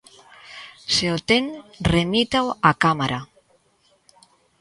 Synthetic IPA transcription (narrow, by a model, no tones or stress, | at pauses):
seot̪enremit̪awakamaɾa